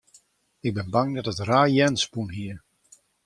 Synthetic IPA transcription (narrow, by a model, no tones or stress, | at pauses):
ɪɡ̚bɪnbaŋdɔtətraːjɛnspunhiə